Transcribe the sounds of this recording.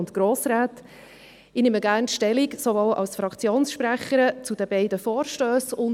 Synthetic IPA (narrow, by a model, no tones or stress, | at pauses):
ʊnt̪ɡ̥ɾoːsɾaːt | ɪnɪməɡæːrntʃtɛliksovɔwʔɑ̰lsfɾɑkt͡sjoːnsʃpɾæχəɾət͡sud̥̪əbɛɪdəfɔːɾʃtøːsʊn